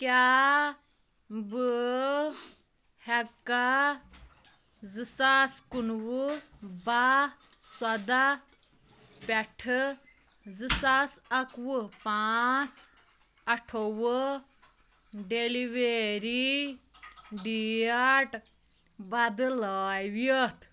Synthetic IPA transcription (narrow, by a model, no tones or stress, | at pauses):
kja | bə | hɛkːa | zɨsaskunwubaswɐd̪a | pɛʈʰɨ | zɨsasɐkwɨpat͡s | ɐʈʰowə | ɖeliʋeɾi | ɖiaʈ | bɐd̪ɨlaːjwjət̪